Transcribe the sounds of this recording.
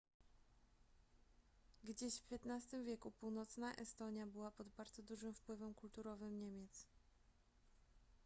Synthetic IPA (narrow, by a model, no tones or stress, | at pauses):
ɡd͡ʑeɕfpʲjɛt̪nast̪ɘmvʲjɛkupuwnɔt̪snaʔɛst̪ɔɲjabɘwapɔd̪baɾd̪zɔd̪uʐɘmfpwɘvɛmkult̪uɾɔvɘmɲɛmʲjɛt̪s